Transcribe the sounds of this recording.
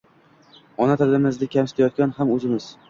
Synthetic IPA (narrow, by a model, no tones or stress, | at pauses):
ɒnat̪ʰallɪmɪzd̪ɪkʲʰamsɪ̥t̪ʰajɒt̪̚kʲanhamɵzɪmɪz̥